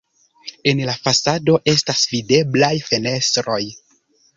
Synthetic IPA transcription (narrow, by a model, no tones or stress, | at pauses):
e̞nlafasado̞ʔe̞stasvide̞blajfe̞ne̞stɾo̞j